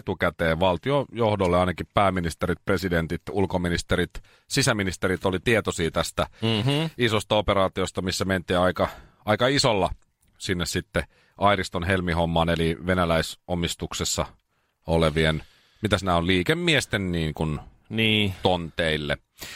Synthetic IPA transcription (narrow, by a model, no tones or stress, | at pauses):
t̪ukæt̪eːʋʋɑlt̪iojohdolːeɑinɑkippæːminist̪eɾit̪̚president̪it̪ulkominist̪eɾit̪ | sisæminist̪eɾit̪olit̪iet̪osiːt̪æst̪æ | isost̪ɑopeɾɑːt̪iost̪ɑmisːæment̪iːɑikɑ | ɑikɑisolːɑ | sinːessit̪ːe | ɑiɾist̪onhelmihomːɑːneliʋenælæisomist̪uksesːɑ | oleʋien | mit̪æsinæolliːkemːiest̪enniːŋkun | niːt̪ont̪eilːḛ